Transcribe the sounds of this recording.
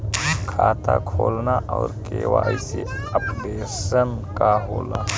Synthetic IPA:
kʰaːt̪akʰoːlnaʔɔːɾkeːʋaːiseəpbeːsənkaɦoːla

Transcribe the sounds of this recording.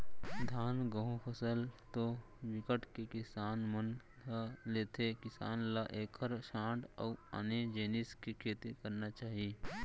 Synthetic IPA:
d̪ʱaːnɡəɦũpʰəsəlt̪o | ʋɪkəʈʰkekɪsaːnmən | leːt̪ʰekɪsa̰ːnlaʔeːkʰəɾʃãːɖɔːa̰ned͡ʒeːnɪskikʰeːt̪ikɐɾnat͡ʃaːɦie

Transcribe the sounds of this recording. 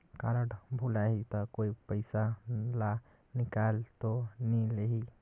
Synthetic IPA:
kaɾəʈbʱulaɦit̪ɔkoipəɪsala | nikalt̪onileɦi

